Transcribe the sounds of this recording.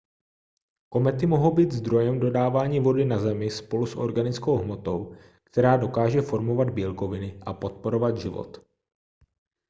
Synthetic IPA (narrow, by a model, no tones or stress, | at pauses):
ko̞mɛt̪ɪmo̞ɦowbiːt̪zd̪ɾo̞jɛmdo̞daːvaːɲiːvo̞dɪnazɛmɪspo̞lusʔo̞̰ɾɡanɪt͡sko̞wɦmo̞t̪o̞w | kt̪ɛɾaːdo̞kaːʒɛfo̞ɾmo̞vad̪biːlko̞vɪnɪʔapo̞t̪̚po̞ɾo̞vad̪ʒɪvo̰t̪